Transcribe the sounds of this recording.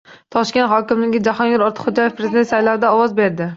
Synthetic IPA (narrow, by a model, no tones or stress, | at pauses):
t̪ʰɒʃkʲe̞nt̪ɦɒkʲɪmlɪɡʲɪd͡ʒahɒnɡʲɪɾɒɾt̪ʰɪ̥χod͡ʒɒjefpɾezɪd̪ent̪sajlawd̪aɒwɒzbeɾd̪ɪ